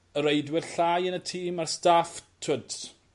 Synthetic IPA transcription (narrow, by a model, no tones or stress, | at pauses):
əɾejdwɛlɬaːjənətʰiːmarstaftʰəds